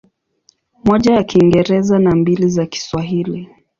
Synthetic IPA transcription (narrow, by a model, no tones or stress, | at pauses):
mɔʄajakiŋɡɛɾɛzanambilizaki̥swaɦili